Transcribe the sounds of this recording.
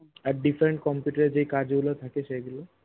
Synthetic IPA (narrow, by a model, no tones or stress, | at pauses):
aɾɖipʰɾeɳʈ̚kɔmpjuʈəɾed͡ʒejkaɾd͡ʒɡulot̪ʰakeʃeɡelo